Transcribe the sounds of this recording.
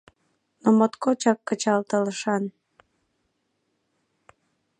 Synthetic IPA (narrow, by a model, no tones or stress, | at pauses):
nomot̪kot͡ɕɑkːət͡ɕɑlt̪ələʃɑn